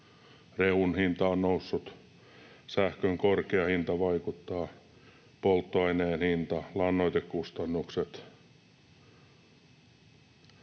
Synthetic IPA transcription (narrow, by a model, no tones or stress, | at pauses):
reunhint̪ɑonnousːut̪ | sæhkøŋkorkeɑhint̪ɑʋɑjkut̪ːɑː | polt̪ːoɑineːnhint̪ɑlɑnːojt̪ekkust̪ɑnːukset̪